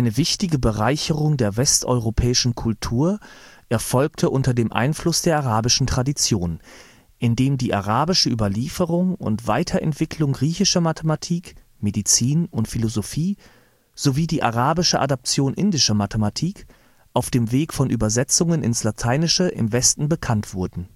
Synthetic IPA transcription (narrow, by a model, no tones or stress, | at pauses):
aɪnəvɪçtɪɡəbəʁaɪçəʁʊŋdeːɐvɛstʔɔ̰ʏʁopʰɛːɪʃn̩kʰʊltʰuːɐʔɛɐfɔlk̚tʰəʔʊntɐdeːmʔa̰ɪnflʊsd̥eːɐʔaʁaːbɪʃn̩tʁ̥adit͡sjoːn | ʔɪndeːmdiːʔaʁaːbɪʃəʔyːbɐliːfəʁʊŋʊ̰ntv̥aɪtʰɐʔɛ̰ntv̥ɪkʰlʊŋɡʁiːçɪʃɐmatʰematʰiːk | medit͡siːnʊntfilozofiː | z̥oviːdiːʔa̰ʁaːbɪʃəʔa̰dɔp̚t͡sjoːnʔɪndɪʃɐmatʰematʰiːk | ʔaʊfd̥eːmveːkfɔnʔyːbɐzɛt͡sʊŋənɪ̰nslatʰaɪnɪʃəʔɪ̰mvɛstn̩bəkʰantv̥ʊɐdn̩